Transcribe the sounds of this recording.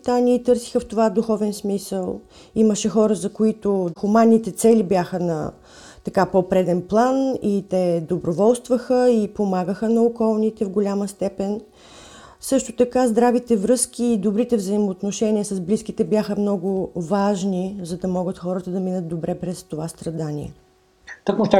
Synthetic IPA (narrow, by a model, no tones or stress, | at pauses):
t̪anʲiːt̪ɤɾsi̥xəft̪ovad̪uxɔvɛnsmisəlˠ | iməʃɛxɔɾəzɐkoit̪oxʊmanːit̪ɛt̪sɛlibʲjaxənɐ̰ | t̪ɐkapopɾɛd̪ɛnplˠanit̪ɛd̪obɾovɔlˠst̪vəxəipomaɡəxənɐokɔlˠnit̪ɛvɡolʲaməst̪ɛpɛn | sɤʃt̪ot̪ɐkazd̪ɾavit̪ɛvɾɤsk̟iːd̪obɾit̪ɛvzəimoːt̪noʃɛnʲiəsɐzblisk̟it̪ɛbjaxəmnɔɡʊvaʒnizɐd̪ɐmɔɡət̪xɔɾət̪əd̪ɐminət̪̚d̪obɾɛpɾɛst̪ovast̪ɾɐd̪anʲḭɛ̰ | t̪əkmot̪